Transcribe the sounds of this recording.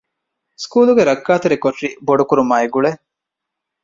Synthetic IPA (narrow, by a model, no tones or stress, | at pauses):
skuːluɡeɾɐkːaːt̪uɾikoʈːiboɖukuɾumaːeɡuɭe